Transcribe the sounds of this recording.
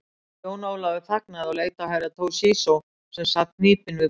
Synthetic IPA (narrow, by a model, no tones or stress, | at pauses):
oːwnaːwlavɪθahknaðawleːjt̪awɦajɾat̪ʰoːwsiːsow | sɛmsat̪niːpɪnvɪ